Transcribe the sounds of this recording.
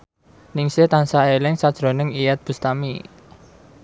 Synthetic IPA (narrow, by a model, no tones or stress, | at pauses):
nɪŋset̪ansaelɪŋsad̥ʒ̥ɾo̤nəŋijɛt̪̚b̥ṳst̪ami